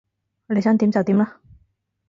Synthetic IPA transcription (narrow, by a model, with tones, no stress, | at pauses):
le˨˧snt̪i˨˧˥mt͡sɐ˨wt̪iː˨˥mla˥